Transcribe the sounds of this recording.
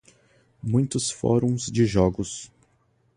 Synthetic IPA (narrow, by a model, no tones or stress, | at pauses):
mũj̃t̪ʊsfɔ̰ɾũw̃zd͡ʒɪʒɔɡʊs